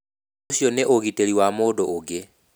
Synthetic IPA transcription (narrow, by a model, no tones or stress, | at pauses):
usjoneʔoɣiteliwamoːdooɡe